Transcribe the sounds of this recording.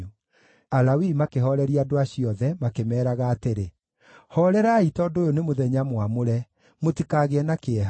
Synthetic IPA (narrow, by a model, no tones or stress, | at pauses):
alawimakeɦɔɾɛɾiadoaɕiɔðɛmakemɛːɾaɣaːteɾe | hɔɾɛɾaːitɔdojonemoðɛɲamwamoɾɛ | motikaɣeɛnakeɛɦ